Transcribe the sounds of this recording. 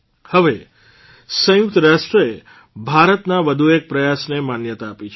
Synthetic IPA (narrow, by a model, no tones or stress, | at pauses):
həʋe | sə̃jʊkt̪əɾaʃʈɾəe | bʱaɾət̪naʋəd̪ʱuek̚pɾəjasnemanjət̪aːpit͡ʃʰ